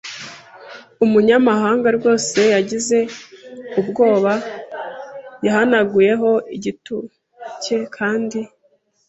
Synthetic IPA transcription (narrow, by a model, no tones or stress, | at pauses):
umuɲamaɦaːŋɡaɾɡo̞ːse̞jaɟize̞ | ubɡo̞ːβa | jaɦanaɡuje̞ɦo̞iɟitu | ce̞kʰaːndi